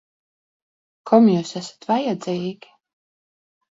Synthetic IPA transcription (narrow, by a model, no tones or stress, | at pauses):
kʰɔmjuːsæsḁt̪vajɛd̪zɛjɛɡʲ